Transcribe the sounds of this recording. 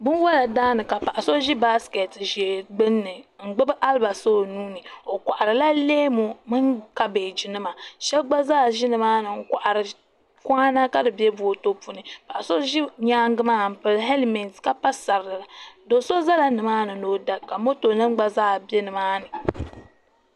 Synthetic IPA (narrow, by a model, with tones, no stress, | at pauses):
bʊ˦n˦wa˦la˨daː˦nɨ˨ka˨pa˨ʔa˨so˦ʒi˦ba˦ske˨tʒe˨ɡ͡bɨ˦nːɨ˨ŋ̩˨ɡ͡bɨ˦bɨ˦ʔa˦lba˨so˦nuː˦nɨ˨o˨kʷa˨ʔa˨ɾɨ˨la˦leː˦mo˨mɨ˦ŋka˦beː˨d͡ʒi˨nɨ˦ma˨ʃɛ˦ɡ͡ba˦zaː˦˨ʒi˦nɨ˨maː˦nɨ˨ŋ̩˨kʷa˨ʔa˨ɾɨ˨ | kʷa˦na˦ka˦dɨ˨bɛ˦bo˦˨to˦pu˦˨nɨ˨pa˨ʔso˦ʒi˦ɲaː˦ŋ˦ɡɨ˦maː˦˨m̩˨pɨ˨lɦe˦lmi˨nska˦pa˦sa˨ɾɨ˨ɨ˨la˨do˨so˦za˦la˨nɨ˨maː˦nɨ˨no˨˦da˦ka˨mo˦to˨nɨ˦m˦ɡ͡ba˦zaː˦˨bɛ˦nɨ˨maː˦nɨ˨